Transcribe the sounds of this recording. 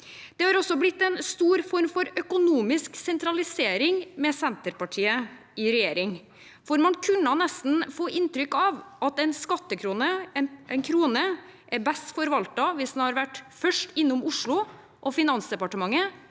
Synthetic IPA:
d̪̥ɛhɑɾɔsːɔblɪt̪ːɛnst̪uːɾfɔɾmfɔɾœkʊnuːmɪsksɛnt̪ɾɑlɪseːɾɪŋmɛsɛnt̪əɾpɑʈʰiːə | ɪɾɛjeːɾɪŋ | foːɾmɑnkʰʉnːənɛst̪n̩foːʔɪnt̪ɾʏkːɑʋʔɑt̪ɛɪnskɑt̪ːəkʰɾuːnəʔɛɪnkʰɾuːnəʔɛɾbɛst̪fɔɾʋɑlt̪ɑʋɪsd̪n̩hɑɾʋæʈːfœʂʈɪnːʊmʊʂɭʊ | ʔɔfɪnɑnsd̪ɛpɑʈəmɑŋːə

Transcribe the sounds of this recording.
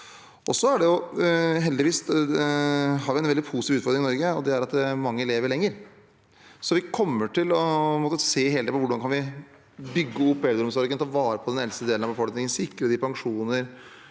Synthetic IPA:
ɔsɔæɖɛjʊɦɛld̪ɪʋiːs | ɦɑːɾʋɪæɪnʋɛld̪ɪpʰusɪːʋʉt̪fɔɾd̪ɾɪŋɪnɔɾɡəɔd̪ɛæɾɑt̪d̪ɛmɑŋːəleːʋəɾɭɛŋːəɾ | sɔʋɪkʰɔmːəʈʰɪlɔmɔːt̪ːəseːɦeːld̪ɛpɔʋʊɖɑnkʰɑnʋɪ | bʏɡːəʊpːʋɛld̪ɾɔmsɔɾɡənt̪ʰɑʋɑːɾəpʰɔd̪ɛnɛlst̪əd̪eːlənɑʋbəfɔlknɪŋənsɪkːɾəd̪ɪpʰɑŋʂuːnəɾ

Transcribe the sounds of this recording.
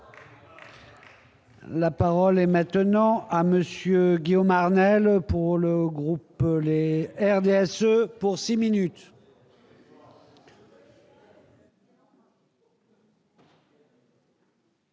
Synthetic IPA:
lapaʁɔlɛmɛ̃t̪nɑ̃aməsjøɡʲiɔmaʁnɛlpuʁləɡʁupleɛʁd̪eɛsøpuʁsiminyt̪

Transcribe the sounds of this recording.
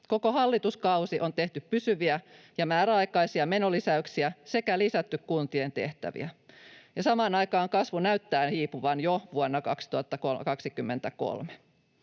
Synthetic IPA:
ko̞ko̞hɑlːit̪uskɑusiʔo̞nt̪e̞ht̪yppysyʋiæ | jɑmæːɾæɑjkɑjsiɑme̞nolisæyksiæse̞kælisæt̪ːykkunt̪ient̪e̞̰ht̪æ̰ʋḭæjɑsɑmɑːnɑjkɑːŋkɑsʋunæyt̪ːæːnhiːpuʋɑnjoʋuonːɑkɑksi̥t̪uɑt̪ːɑkokɑksikymːent̪æko̰lme̥

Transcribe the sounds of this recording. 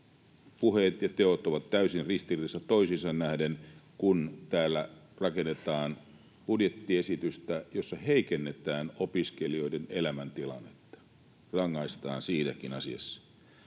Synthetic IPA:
puhet̪jɑt̪eot̪oʋɑt̪tæysinrist̪iriisːɑt̪oisisɑnnæhdenkunt̪æːlːæ | rɑkenːet̪ɑːn | pudjet̪ːiesit̪yst̪æjosːɑheikenːet̪æːnopiskelio̞idenelæmænt̪ilɑ̰nːet̪ːɑ̥ | rɑŋːɑist̪ɑːnsiːnækinɑsiɑ̰sːɑ̥

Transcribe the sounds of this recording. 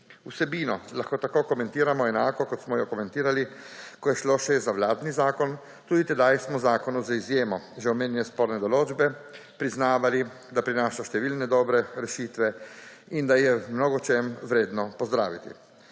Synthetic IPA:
usɛbiːnɔlaxkoːt̪akoːkɔmɛ̃nt̪iːɾamɔɛnaːkɔkɔt̪smɔjɔkɔmɛ̃nt̪iːɾalikɔjɛʃloʃɛzaʋlaːd̪nizaːkɔn | t̪uːd̪it̪ɛd̪ajsmɔzaːkɔnuzaizjeːmɔʒɛɔmeːnjɛnɛspoːɾnɛd̪ɔloːd͡ʒbɛ | pɾiznaːʋali | d̪apɾinaːʃaʃt̪ɛʋiːlnɛd̪ɔːbɾɛɾɛʃiːt̪ʋɛ | ind̪ajɛmnoɡɔt͡ʃemʋɾeːd̪nɔpɔzd̪ɾa̰ːʋit̪ḭ

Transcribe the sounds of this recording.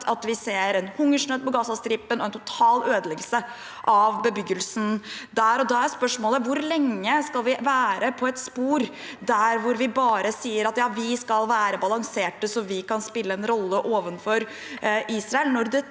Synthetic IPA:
ɑt̪ʋɪseːɾɛnhʊŋːəʂɳøːd̪̚pɔɡɑsɑst̪ɾɪpːənɔɛnt̪ʰʊt̪ʰɑːløːd̪əlɛɡəlsə | ʔɑʋbəbʏɡəlsnd̪æːɾɔd̪ɑːæɾjæspœʂmoːləʋʊɾlɛŋːəskɑlʋɪʋæːɾəpʰɔɛt̪spuːɾ | d̪æɾʋʊɾʋɪbɑːɾəsiːəɾɑt̪jɑːʋɪskɑlʋæːɾəbɑlɑŋseːʈəsɔʋɪkɑnspɪlːəɛnɾɔlːəʔoːʋənfɔɾ | ʔiːsɾɑɛlnɔɾd̪ɛ

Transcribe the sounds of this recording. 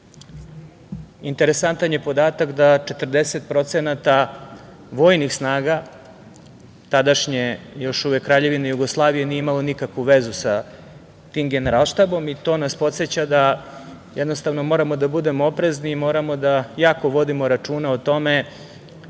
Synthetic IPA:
int̪eɾesant̪anje̞po̞d̪aːt̪akd̪at͡ʃe̞t̪ərd̪eset̪̚pɾo̞t̪senat̪a | ʋo̞ːjnixsnaːɡa | t̪ad̪aʃɲejo̞ʃuʋekːɾaːʎe̞ʋinejuɡo̞slˠaːʋijenijeimalo̞nikakʋuʋezusa | t̪iːmɡeneɾalˠʃt̪abo̞mit̪o̞ːnaspo̞t̪set͡ɕad̪a | jɛd̪nost̪aʋno̞mo̞ɾamo̞d̪abud̪e̞moopɾe̞zniːmo̞ːɾamo̞d̪ajaːko̞ʋo̞d̪imo̞ɾat͡ʂuːnaot̪o̞me̞

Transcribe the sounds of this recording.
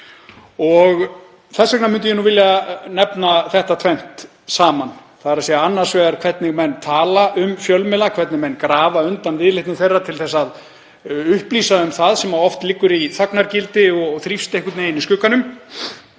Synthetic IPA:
ɔɣ | θɛsːɛknamʏnt̪ʏjɛnuvɪljanɛpnaθɛht̪at̪ʰvɛn̥t̪ | saːmanθaðɛɾasiːɣaanːaɾ̥svɛːɣaɾkʰvɛrt̪nɪɣmɛnːt̪ʰaːlaʔʏmfjœlmɛlakʰvɛt̪nɪmɛnːkɾaːvaʏnt̪anvɪðlɪht̪nɪθejrːat̪ʰɪlθɛsːað | ʏhpliːsaʏmθaðsɛmaɔft̪lɪkːʏɾiθaknaɾcɪlt̪ɪɔɣθɾifst̪ejhkʏt̪nejɪniskʏːkanʏm

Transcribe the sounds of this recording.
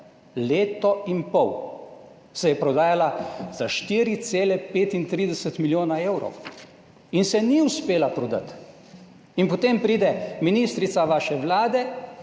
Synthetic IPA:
leːt̪ɔimpɔw | sɛjɛpɾɔd̪aːjalaz̥aʃt̪iːɾit̪seːlɛpeːt̪int̪ɾiːd̪ɛsət̪miljoːnaewɾɔ̰w | insɛniuspeːlapɾɔd̪a̰t̪ | inpot̪eːmpɾiːd̪ɛminist̪ɾit̪saʋaːʃɛʋlaːd̪ɛ

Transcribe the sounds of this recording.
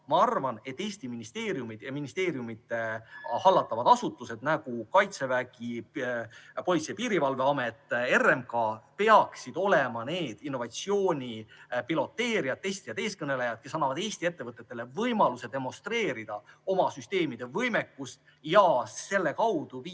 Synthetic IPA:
mɑɑrvɑne̞t̪ˑːeːsʲt̪iminist̪e̞ːɾjumid̪̥jɑminist̪e̞ːɾjumid̪ | hɑlːɑt̪ːˑɑvɑd̪̥ɑsut̪ːˑuse̞d̪̥næɡ̥ukɑjt̪se̞væɡi | po̞lʲit̪sijɑpiːɾivɑlve̞ɑme̞t̪ːˑe̞rːe̞mkɑpe̞ɑksid̪̥o̞lemɑne̞ːd̪̥inːo̞vɑt̪sio̞ːnʲipilo̞t̪ːe̞ːɾiɑt̪ːest̪ijɑd̪e̞ːskɤne̞le̞jɑd̪̥̚ke̞sɑnːɑvɑd̪̥eːsʲt̪ie̞t̪ːe̞vɤt̪ˑːet̪ːe̞le̞vɤjmɑluse̞d̪e̞mo̞st̪re̞ːɾid̪̥ɑo̞mɑsyst̪e̞ːmid̪̥e̞vɤjme̞kːust̪ | jɑse̞lːe̞kɑwd̪̥uvi

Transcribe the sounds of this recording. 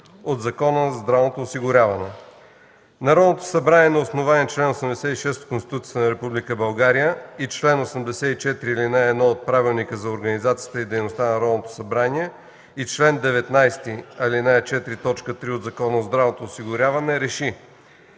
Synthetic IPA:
od̪zɐkɔnəzd̪ɾavnot̪oːsiɡʊɾʲavɐnɛ | nɐɾɔd̪not̪o̥sɐbɾaniɛnɐosnovaniɛt͡ʃlɛnosɐmd̪ɛsɛt̪iʃɛst̪koʊnst̪i̥t̪ut̪siə̥t̪ənɐɾɛpublikəbɐlˠɡaɾijəit͡ʃlɛnosəmd̪ɛsɛt̪it͡ʃɛt̪ɾiilinaɛd̪nɔot̪̚pɾavilˠnikəzɐoɾɡənizat̪sijət̪əid̪ɛjnost̪anɐɾɔd̪not̪o̥sɐbɾaniɛ | it͡ʃlɛnd̪ɛvɛt̪najst̪iɐlinaɛt͡ʃɛt̪ɾit̪ɔt͡ʃkət̪ɾiod̪zɐkɔnəozd̪ɾavnot̪oːsiɡʊɾʲavɐnɛɾɛʃi

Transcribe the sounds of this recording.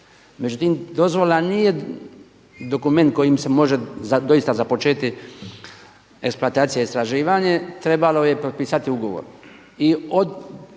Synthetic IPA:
me̞d͡ʑut̪imd̪o̞zʋo̞lanije̞ | d̪o̞kume̞nt̪̚ko̞jimse̞mo̞ʒead̪o̞jist̪azapo̞t͡ʃeːt̪i | e̞kspluat̪aːt̪sijeist̪ɾaʒiːʋaɲet̪ɾe̞balo̞je̞pɾot̪̚piːsat̪iuɡo̞ʋo̰ɾ | iod̪

